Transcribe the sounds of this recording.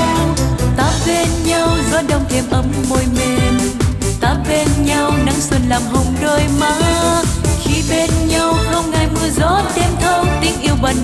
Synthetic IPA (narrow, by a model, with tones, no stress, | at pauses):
t̪aː˨˦˥p̚ve˧nɲa˧wzɔ˧˦ɗə˨˧˩wŋ͡mt̪ʰe˨˩mʔə˨˦mːo˧˩jme˨˩n | t̪aː˨˦˥p̚ɓe˧nɲa˧wna˨˦ŋswə˧nlaː˨˩mɦə˨˩wŋ͡mɗo˧jmaː˧˦ | xi˧˦ɓe˧nɲa˧wxə˧wŋ͡mŋaː˧˩jmɨ˧əzɔ˨˦ɗe˧mt̪ʰə˧wt̪ï˨˦ŋ̟ʔi˧əwɓə˨˩